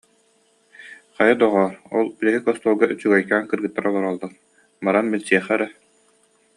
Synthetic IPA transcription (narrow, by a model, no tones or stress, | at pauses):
χajad̪ɔʁɔːɾɔ̰lˠbilɛɦikɔst̪uːlˠɡaʔyt͡ɕyɡœjkaːŋkɯɾɡɯt̪ːaɾɔlˠɔɾɔlˠːɯχ | baɾanbilt͡ɕiɛχɛɾɛ